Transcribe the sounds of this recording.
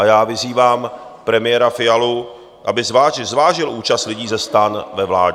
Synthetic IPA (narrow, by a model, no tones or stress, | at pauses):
ajaːvɪziːvaːmpɾɛmɪjɛɾafɪjalu | ʔa̰bɪzvaːʒɪzvaːʒɪlʔuːt͡ʃast̪lɪɟiːzɛst̪anvɛvlaːd